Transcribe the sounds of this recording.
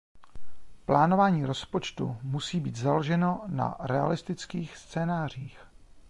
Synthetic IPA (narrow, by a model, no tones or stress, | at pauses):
plaːno̞vaːɲiːɾo̞spo̞t͡ʃt̪ṵmusiːbiːt̪zaloʒɛno̞na̰ɾɛa̰lɪst̪ɪt͡skiːxst͡sɛːnaːr̝iːx